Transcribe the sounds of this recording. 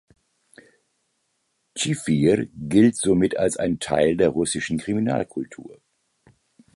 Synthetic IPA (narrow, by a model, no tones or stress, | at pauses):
t͡ʃifiɾɡɪltz̥oːmɪtalsa̰ɪntʰa̰ɪldeːɐʁʊsɪʃn̩kʁ̥imina̰ːlkʰʊltʰṵːɐ